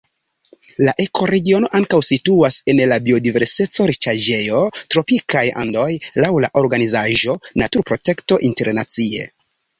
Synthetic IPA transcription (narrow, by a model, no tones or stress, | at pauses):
laʔe̞kʰo̞ɾe̞ɡio̞no̞ʔaŋkawsituase̞nlabio̞dive̞ɾse̞t͡so̞ɾit͡ʃad͡ʒe̞jo̞tɾo̞pikʰaja̰ndo̞jlawla̰ʔo̞ɾɡanizaʒo̞natuɾpɾo̞te̞kto̞ʔinte̞ɾnat͡sie̞̰